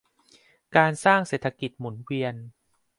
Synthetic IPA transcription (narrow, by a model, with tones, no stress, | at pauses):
kaː˧nsaː˥˩ŋseː˨˩t̪ʰa˧ki˨˩t̪̚mu˩˦nwi˧ən